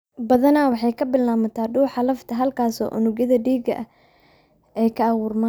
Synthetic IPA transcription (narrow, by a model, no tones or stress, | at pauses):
bɐðɐnaːwɑħɑjkʰɐbɪlnaːmɐt̪ʰaːɖuːħɑlɐft̪ʰɐɦɐlkʰaːsɔ̰ːʔʊ̰nʊɡɐðɐɖiːɡɐ̰ʔɐ | ɛjkʰɐɐwʊːrma